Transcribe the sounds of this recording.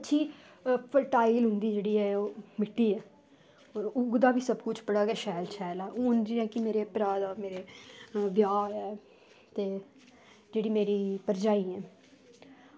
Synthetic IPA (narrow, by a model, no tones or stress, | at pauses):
ətːʃʰiː | pʰəʈaːiːlɦʊ̃nd̪iːd͡ʒeːɽiːɛːoːmɪʈːiːɛː | ɔːɾʊɡd̪aːbiːsəbkʊt͡ʃʰpəɽaːɡɛːʃɛːlt͡ʃʰɛːlɛːoːnd͡ʒiːɛːkɪmeːɾeːəpɾaːd̪aːmeːɾeːʋjaːɛː | t̪eː | d͡ʒeːɽiːmeːɾiːpəɾd͡ʒaːiːɛː